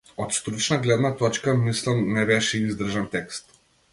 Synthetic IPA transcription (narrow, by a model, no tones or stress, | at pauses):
ɔt̪st̪ɾut͡ʃnaɡlɛd̪nat̪ɔt͡ʃkamislˠamnɛbɛʃɛizd̪r̩ʒant̪ɛkst̪